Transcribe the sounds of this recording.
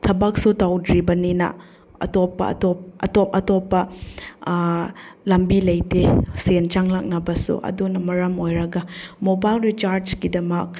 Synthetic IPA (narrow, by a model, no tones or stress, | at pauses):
tʰɐbɐk̚sutawdɾibɐninɐ̰ | ɐ̰topːɐ̰ɐ̰top̚ɐ̰topɐtopːɐ | lɐmbilɐjtesent͡ʃaŋlak̚nɐbɐsṵʔɐ̰dunɐmɐɾɐmojɾɐɡɐmobajlɾit͡ʃaɾskidɐmɐk̚